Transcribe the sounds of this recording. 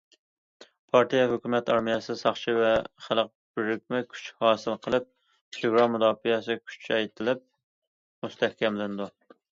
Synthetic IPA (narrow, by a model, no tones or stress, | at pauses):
pʰɑɾt̪ʰijɛɦøkʲymɛt̪ɑɾmijɛsɨsɑχt͡ʃʰivɛχælˠəq̚b̥yɾyk̚ʲmɪkʲʰy̥t͡ʃhɑːsɨlˠqʰəlˠɪp̚ | eɡɾɑmːud̪ɑːfijɛsɪkʲʰy̥t͡ʃʰɛɛjt̪ʰɪlɪp̚ | must̪ʰɛhkʲɛmlɪnɪd̪u